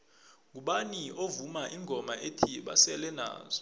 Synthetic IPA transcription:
ŋuɓaniovumaʔiŋʱɔmaʔetʰiɓa̰sɛlɛna̰ːzɔ

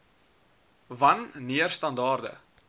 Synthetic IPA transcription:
vɐnːiərstɐndɑːrdə̰

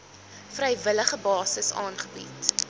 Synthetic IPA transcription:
frɛjvələχəbɑːsəsɑ̰ːnχəbḭt

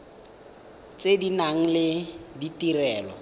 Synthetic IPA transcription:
t͡sedinaŋ̩lɪditirɛːlɔ̰

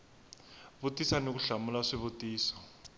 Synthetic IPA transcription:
βotʼisanok̬uɬamulaʂiβotʼiːsɔ̥

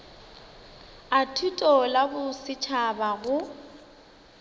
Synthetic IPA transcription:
atʰutʼɔlabʊsɪt͡ʃʰabaɣʊ

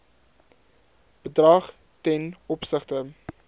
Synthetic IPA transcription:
b̥ədrɐχ | tɛnɔpsəχtə

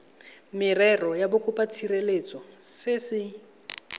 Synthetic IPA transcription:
mɪrɛrɔjabʊkʰʼʊpʼat͡sʰirelet͡sʼɔsɪsɪ

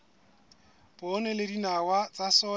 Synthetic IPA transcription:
pɔnɛledinawat͡sʼasɔ

